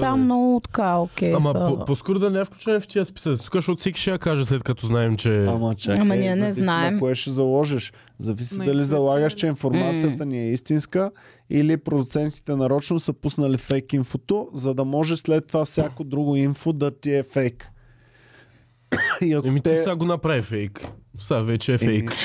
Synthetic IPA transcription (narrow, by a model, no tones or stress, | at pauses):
tt̪amnɔɡʊt̪kaokʲɛamɐoposkoɾʊd̪ɐnɛɛfklʲut͡ʃɛnɛft̪iəspi̥səkzt̪u̥kaʃot̪sikʲi̥ʃɛjakaʒɛslɛt̪̚kɐt̪ɔznaɛmt͡ʃɛamɐt͡ʃɛɐmɐniɐnɛzinaɛmkoɛʃɛzɐlˠɔʒɛʃ | zɐvisid̪ɐlizɐlˠaɡəʃt͡ʃɛinfoɾmat̪sijət̪əniɛist̪inskə | ilipɾod̪ʊt̪sɛnt̪i̥t̪ɛnɐɾɔt͡ʃnosəpusnɐlifɛjkinfot̪ozɐd̪ɐmɔʒɛslɛt̪ːovafsʲakod̪ɾuɡoinfod̪ɐt̪iɛfɛjk | iɐkɛmit̪isaɡonɐpɾavifɛjksavɛt͡ʃɛːfɛjk